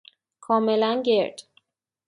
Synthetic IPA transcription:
kʰɒːmelænɟeɾd̪̥

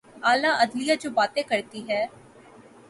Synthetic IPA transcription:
aːlaːʔəd̪lɪjaːd͡ʒoːbaːt̪ẽːkəɾt̪iːɦɛː

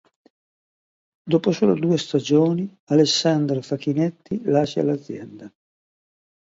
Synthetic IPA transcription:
d̪oːposoːlod̪uːest̪ad͡ʒoːni | alesːand̪ɾofakinɛt̪ːilaːʃa̰lad̪zːjɛnd̪a

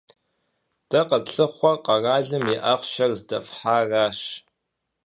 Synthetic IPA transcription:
d̥ɐqɐɬʼɨχʷɔqɐraːɮɨmiʔɐχʷʃɐrzdɐfħaːraːʃ

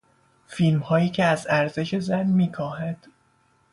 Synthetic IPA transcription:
fiːlmhɒːjiːcʰe̞æzæɾze̞ʃe̞zænmiːkʰɒːhæd̪̥

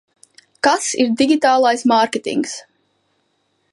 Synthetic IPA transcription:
kasiɾd̪iɡʲit̪aːlˠajsmaɾkʲet̪ḭŋks

